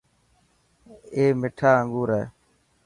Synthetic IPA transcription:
eːmɪʈʰaːəŋɡuːɾeː

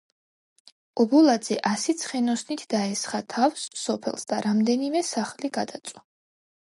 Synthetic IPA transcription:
ɔbɔlˠad̪z̥ɛʔasit̪sʰχɛnɔsnit̪ʰd̪aɛsχat̪ʰafsːɔpʰɛ̰lˠsd̪aɾamd̪ɛnimɛsaχliɡad̪at̪sʼwa

